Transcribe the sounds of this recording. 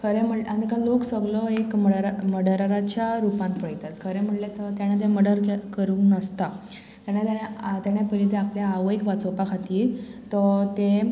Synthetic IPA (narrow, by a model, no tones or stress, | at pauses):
kʰəɾem̤əlanikãloksəɡlɔekməɽɾməɽəɾəɾat͡ɕjaɾupãnt̪pəjt̪at̪kʰəɾem̤əʈlet̪ɔt̪jaɽ̃et̪eməɽəɾkkəɾuːŋknəst̪a | t̪jañet̪jaɽet̪jaɽ̃epəlit̪eapljaːʋəikʋat͡sopakʰat̪iːɾt̪ɔt̪e